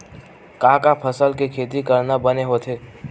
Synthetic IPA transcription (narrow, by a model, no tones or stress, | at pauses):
kãːkapʰəsəlkekʰeːt̪̬ikəɾnabəneɦoːt̪ʰeː